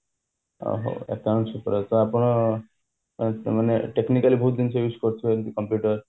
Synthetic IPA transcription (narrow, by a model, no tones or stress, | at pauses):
o̰ɦo̰ḛkaʊ̃ɳʈsupɔɾet̪ɔapɔɽ̃ɔ | maneʈeknikalibʱuːt̪̚d̪inseɾʋiskɔɾt̪ʰiet̪ikɔmpjuʈəɾ